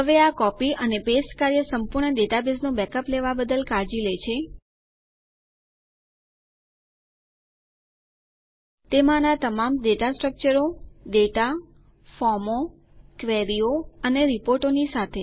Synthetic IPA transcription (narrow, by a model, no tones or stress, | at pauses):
ɦəʋeakɔpiʔənepesʈkaɾjəsəmpuɾɳəɖeʈabesnũbɛkəpleʋabəd̪əlkaɾd͡ʒilet͡ʃʰe | t̪emãnat̪əmamɖeʈasʈɾək̚t͡ʃəɾoɖeʈa | fɔɾmo | kʋeɾioəneɾipoɾʈonisat̪ʰe